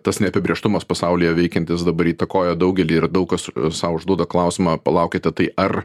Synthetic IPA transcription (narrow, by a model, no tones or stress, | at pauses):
t̪ɐsnʲɛɐpʲɪbʲeːʃt̪ʊmɐspɐsɑʊlʲɪjɛʋʲɛɪkʲɛnt̪ʲɪs̬d̪ɐbɐɾiːt̪ɐkoːjoːd̪ɐʊɡʲɛlʲiːɪrd̪ɐʊkɐssɐːʊʒd̪uɔd̪ɐklˠɐʊsʲɪmɑːpɐlˠɐʊkʲet̪ʲɛt̪ɐɪʔɐr